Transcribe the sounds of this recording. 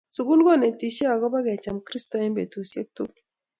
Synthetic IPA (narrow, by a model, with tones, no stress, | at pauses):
su˨ɡu˦lɡɔ˦˨ne˨ti˨ʃe˦a˨ɡɔ˦ba˦ɡɛ˨t͡ʃa˨mkɾi˦stɔ˨ɛ˦mbe˨tu˨sje˦k̚tu˦k